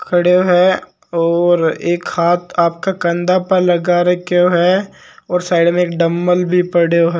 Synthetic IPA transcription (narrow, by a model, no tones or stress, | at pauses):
kʰɐɽeoɦɛ | ɔːɾeːkhaːt̪aːp̚kakɐ̃nd̪apəɾlɐɡaɾɐkoɦɛ | ɔːɾsaːɪɽmẽeːk̚ɖɐmːəlbʱipɐɽeoɦɛː